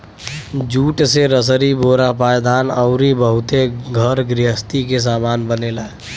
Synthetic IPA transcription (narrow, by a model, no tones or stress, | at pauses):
d͡ʒuːʈseɾəs̬əɾiboːɾapaːjd̪aːnəʊɾibəɦʊt̪eɡʱəɾɡɾɪɦəst̪ikes̬aːmaːnbənelaːe